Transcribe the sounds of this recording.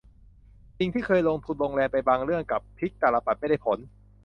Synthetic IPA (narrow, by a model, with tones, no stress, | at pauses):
t͡ɕi˧ŋt̪ʰiː˥˩kʰɤː˧jloː˧ŋt̪ʰu˧nloː˧ŋlɛː˧npa˧jbaː˧ŋɾɯ˥˩əŋka˨˩pʰːi˦˥k̚t̪aː˨˩la˧pa˨˩ma˥˩jda˥˩pʰo˩˦n